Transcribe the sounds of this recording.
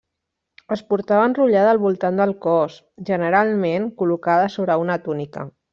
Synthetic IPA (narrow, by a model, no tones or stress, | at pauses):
əspuɾt̪aβənruʎaðəːlˠβulˠt̪and̪əlˠkɔs | ʒənəɾalˠmenkulukaðəsoβɾəunət̪unikə̰